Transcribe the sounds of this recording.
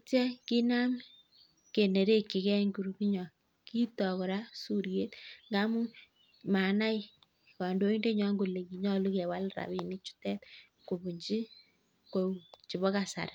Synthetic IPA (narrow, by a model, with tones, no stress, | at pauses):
tɛ˦ki˦na˦m | ke˨ne˨ɾe˦kːɪ˨kɛ˦ŋɡu˨ɾu˨ki˦ɲɔ˨ | ki˦tɔ˨kɔ˨ɾa˦su˨ɾje˦tŋɡa˦mu˦ | ma˨na˦ɪ˦ | ka˨ndo˦i˦nde˦ɲɔ˦ŋɡo˨le˨ki˨ɲɔ˦lu˦kɛ˨wa˦lɾa̰˨bi˨nɪ˦t͡ʃu̥˦tɛ˦t̚ | ko˨bu˨ɲd͡ʒi˦ | ko˦u˨t͡ʃi˨βɔ˦ka˨sa̰˨ɾ